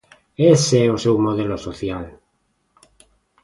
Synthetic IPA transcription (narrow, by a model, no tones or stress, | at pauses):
eseeosewmoð̞elosoθjal